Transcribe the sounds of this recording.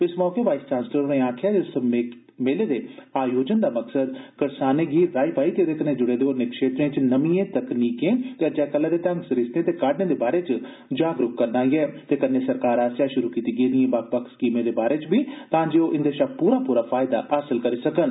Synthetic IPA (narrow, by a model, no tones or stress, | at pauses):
pɪsmɔːkeːʋaːɪsʈãːnsləɾːẽːãːkʰjaɪse | meleːd̪eːaːjoːd͡ʒənd̪aːməksəd̪kəɾsaːnẽːɡiːɾːaːipaːit̪eːd̪eːkənẽd͡ʒʊɽeːd̪eoːɾnẽːkʃeːt̪ɾẽːt͡ʃnəmiẽːt̪əkniːkẽːt̪ed͡ʒɛːkəlːad̪eːt̪ə̃ŋɡsɾɪsnẽːt̪eːkaɖnẽːd̪eːbaːɾeːt͡ʃ | d͡ʒaːɡɾʊkkːəɾnaːiɛːt̪eːkənːẽːsəɾkaːɾaːsjaːʃʊɾuːkiːt̪iːɡeːd̪ɪẽːbak̚pəkskiːmẽd̪eːbaːɾeːt͡ʃbiːt̪ãːd͡ʒeːoʔɪnd̪eʃapuːɾaːpuːɾaːfʰaːɪd̪a̰ːʔaːsəlkəɾiːsəkən